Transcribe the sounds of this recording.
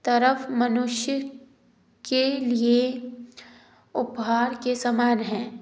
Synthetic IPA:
t̪ɐɾəfmɐnʊʃjə | kelie | ʊpɦaːɾkesamaːnɦɛ̃ː

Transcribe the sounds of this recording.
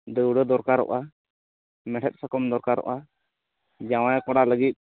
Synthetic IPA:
d̪əwɽəd̪ɔɾkaɾɔ̰ʔa | mɛʈʰɛt̪̚sakɔmd̪ɔɾkaɾɔ̰ʔa | d͡ʒawajkɔɽaləɡit̪̚

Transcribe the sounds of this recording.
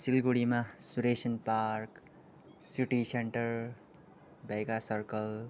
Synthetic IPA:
silɡuɽimasuɾesənpaɾk | siʈiseɳʈəɾ | bajɡasʌɾkəl

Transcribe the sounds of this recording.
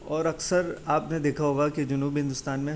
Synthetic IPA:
ɔːɾɐksəɾaːpned̪eːkʰaɦoːɡakid͡ʒʊnuːbɦɪ̃nd̪ʊst̪aːnmẽ

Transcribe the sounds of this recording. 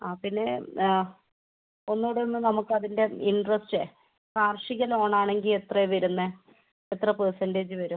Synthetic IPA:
aːpinːe̞ | o̞nːoːɽonːɨnɐmukːɨɐðinde̞iɳɖrɐsʈe | kaːrʂiɣɐlo̞ːɳaːɳe̞ŋɡile̞t̪rɐʋɐɾunːɐ | et̪rɐpersɐnde̞ːd͡ʑɨʋɐɾum

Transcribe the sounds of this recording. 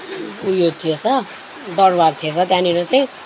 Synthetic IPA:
kujot̪ʰiet͡sʰʌ | d̪ʌrbart̪ʰiet͡sʰʌt̪jãniɾot͡saĩ

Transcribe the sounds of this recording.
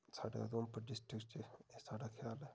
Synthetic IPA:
sʰa̰ːɖa̰d̪oːmpɐɾɖɪsʈɾɪkst͡ʃeesaːɖaːkʰjaːlɦɛː

